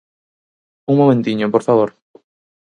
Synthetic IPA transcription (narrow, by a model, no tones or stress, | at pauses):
uŋmomẽnt̪iɲopoɾfaβoɾ